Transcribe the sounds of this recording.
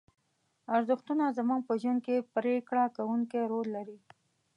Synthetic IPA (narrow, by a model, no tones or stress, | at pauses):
aɾzʊxt̪unazamuŋɡ̚pəʒwunkepɾekɽakawuŋkeɾolːaɾi